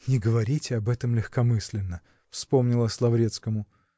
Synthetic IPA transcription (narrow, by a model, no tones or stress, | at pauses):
nʲɪɡəvɐɾʲitʲɪɐbɛt̪əmlʲɪxkɐmɨsʲlʲɪnːə | fspo̞mnʲɪlˠəsʲlˠɐvɾʲe̞t̪skəmʊ